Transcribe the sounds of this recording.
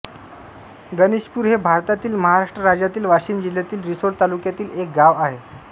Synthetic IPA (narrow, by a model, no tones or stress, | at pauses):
ɡəniɕpuːɾɦebʱaɾt̪at̪iːlməɦaɾaʂʈɾəɾad͡ʑjat̪iːlʋaɕiːmd͡ʑiljat̪iːlɾisoɾʈt̪alukjat̪iːlek̚ɡaʋaɦe